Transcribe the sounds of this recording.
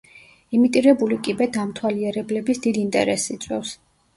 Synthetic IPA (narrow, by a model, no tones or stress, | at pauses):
imit̪ʼiɾɛbulikʼibɛd̪amt̪ʰwaliɛɾɛblɛbisd̪id̪int̪ʼɛ̰ɾɛsit̪sʼwɛfs